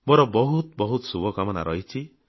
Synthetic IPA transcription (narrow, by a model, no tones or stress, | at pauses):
bɔɾɔbɔɦut̪̚bɔɦut̪subɔkamɔna̰ɾɔɦit͡ʃʰi